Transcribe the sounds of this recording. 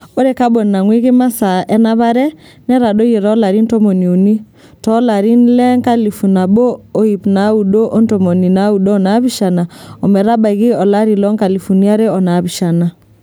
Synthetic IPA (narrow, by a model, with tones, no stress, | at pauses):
o˦ɾe˨˦ka˦bo˨nːa˨ŋwi˦ɣɪ˦ma˦sa˨ʔɛ˦na˦βa˦ɾɛ˦ | nɛ˦ɾa˨ɗo˦je˨ɾɔ˦la˨ɾi˦nto˦mo˨ni˨u˨ni˦ | tɔ˦la˨ɾi˦nlɛ˦ŋka˦li˨fu˨na˨bo˦o˦i˨pna˨˦u˨ɗo˦ʔo˦nto˨mo˨ni˨na˨˦u˨ɗoː˦na˨˦βi˦ʃa˨na˨ɔ˨mɛ˨ɾa˦ba˨ɣi˦ɔ˨la˦ɾi˨lɔ˦ŋka˨li˨fu˨ni˦a˦ɾe˦ɔ˨na˨βi˨ʃa˨na˨